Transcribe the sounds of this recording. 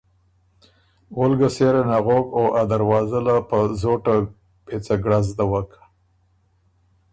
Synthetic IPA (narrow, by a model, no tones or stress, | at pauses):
wʊlɡaseɾenaɣokaʔad̪aɾwɑzalapəzoʈa | pet͡saɡɽazd̪awakḁ